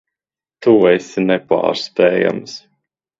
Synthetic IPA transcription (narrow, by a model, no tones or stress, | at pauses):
t̪uɛsinɛpa̰ːɾst̪ɛːja̰ms